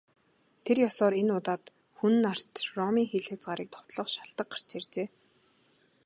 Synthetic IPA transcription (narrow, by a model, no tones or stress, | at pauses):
t̪ʰerjɔsɔːɾenʊːt̪aːt̪ | xun̆nːar̥t̪rɔmiːŋxeɮxɘ̆t͡sɢaɾiːk̚t̪ʰɔ̥w̥t̪ɮɞ̆χʃḁɬt̪ə̆k̚ɢḁr̥t͡ɕert͡ɕeː